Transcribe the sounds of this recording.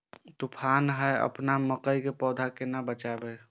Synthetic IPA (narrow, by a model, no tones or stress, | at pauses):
t̪upʰanɦəjə̰pnaməkəjkepɔːd̪ʱakenabət͡ʃabe